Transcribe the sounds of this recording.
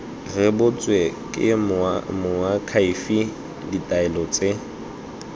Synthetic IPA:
rɪbʊt͡sʼwekʼɪ̰mmʊakʰaifi | ditʼaɛlɔt͡sʼe

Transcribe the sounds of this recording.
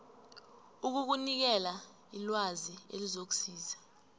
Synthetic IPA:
uk̬uk̬unik̬ɛla | ilwaziḛlizok̬u̥siːza

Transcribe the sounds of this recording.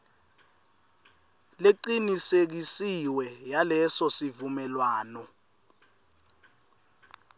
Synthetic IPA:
leǃinisek̬isiwɛjalɛsɔsivumɛlwaːnɔ

